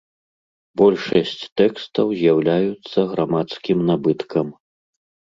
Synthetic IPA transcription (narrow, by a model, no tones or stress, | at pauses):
bɔlʲʂɐsʲt͡sʲt̪ɛkst̪ɐwzʲjawlʲajut̪sːɐɣɾamat̪skʲimnabɨt̪kɐm